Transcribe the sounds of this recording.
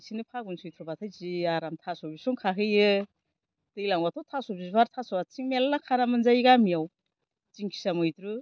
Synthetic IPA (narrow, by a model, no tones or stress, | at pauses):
sinɯpʰaɡunsɯjtʰɾɔbatʰajziaɾamtʰasɔbisɔŋkʰaɦɯjɯ | tɯjlaŋbatʰɔtʰasɔbisbaɾtʰasɔbat͡ʃiŋmelːakʰanamɯnzajɡamijaw | t͡ʃiŋkʰi̥samɯjtɾɯ